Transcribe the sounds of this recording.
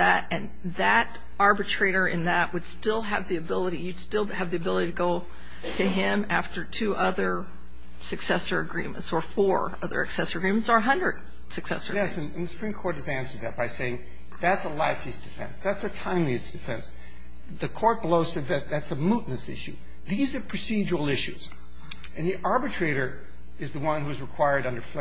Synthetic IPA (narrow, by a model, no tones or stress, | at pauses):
ðɨɾɨ̃n | ðɨɾ | ɑɹbɨtʰɹ̥eɪɾə˞ʔɨ̰̃nðɨʔ̚wəd̥stɪlˠɨvðiɨbɪlˠəɾijɨ̥stɪlˠɨvðiɨbɪlˠəɾiɾɨɡoʊ | ɾɨɪ̃mæftə˞tʰʉʔʌðə˞ | sɨksɛsə˞ɨ̰ɡɹḭ̃mɨ̰̃ntsə˞fɔɹ | ʌ̰ðə̰˞ɨ̰ksɛsə˞ɨɡɹĩmɨnsə˞ɦʌ̃ndɹɨd̥ | sɨksɛ̰sə̰˞ɛsɨ̃nɨ̃nðɨsə̥ɹ̥ĩmkʰɔɹt̚hɨzæ̃nsə˞d̪̚ðɨt̚b̥aɪseɪɪ̃ŋ | ðætsəlaɪsisd̥ɨfɛ̰̃nsðætsɨtʰãɪ̃mliɨsd̥ɨfɛ̃ns | ðɨkʰɔɹt̚b̥loʊsɛd̪̚ðɨt̪̚ðætsəmuʔⁿnɨsɪ̰ʃʉ̰ | ðizə˞pʰɹ̥ɨsid͡ʒəwl̩ˠɪʃʉz̥ | ɨ̃nðiʔɑɹbɨtʰɹ̥eɪɾə˞ | ɨzðəwʌ̃nhuɨzɹɨkʰw̥aɪə˞ɾʌ̃ndə˞fl